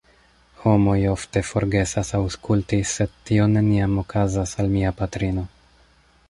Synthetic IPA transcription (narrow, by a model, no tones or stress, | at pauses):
ho̞mo̞jo̞fte̞fo̞ɾɡe̞sasawskultise̞d̚tːio̞ne̞niamo̞kazasalmiapatɾino̞